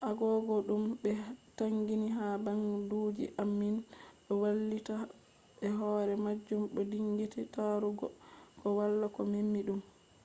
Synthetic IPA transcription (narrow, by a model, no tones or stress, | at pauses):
ʔaɡɔɡɔɗumbɛtaŋɡiniɦabaŋduːd͡ʒḭʔamːinɗɔwalːita | bɛɦɔːɾɛmad͡ʒːumɗɔdiŋɡititaɾuɡɔ̰kɔwalːakɔmimːiɗum